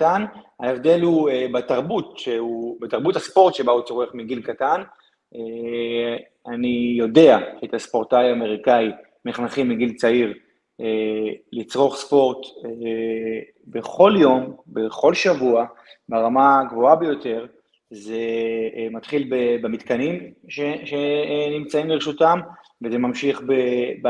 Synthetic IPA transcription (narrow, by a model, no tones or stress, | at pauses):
tanhaevd̪e̞lhuebat̪aʁbutʃeubet̪aʁbutaspo̞ʁt̪ʃe̞baut͡soʁeχmiɡilkatan | e | anijo̞de̞aʃet̪aspo̞ʁt̪ajame̞ʁikai | miχnaχimiɡilt͡saiʁ | elit͡sʁo̞χspo̞ʁt | beχo̞ljo̞mbeχo̞lʃavuabeʁamaɡvoabe̞jo̞te̞ʁ | ze̞mat̪χilbebemit̪kanimʃeʃenimt͡saimleʁeʃutam | vezemamʃiχbe